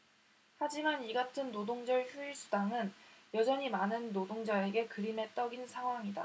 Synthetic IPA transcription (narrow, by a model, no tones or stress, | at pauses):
had͡ʑimaniɡatʰɯnːodoŋd͡ʑʌɭçjuisʰudaŋɯnjʌd͡ʑʌɲimanɯnːodoŋd͡ʑae̞ɡe̞kɯɾime̞t͈ʌɡinsʰaŋɦwaŋida̰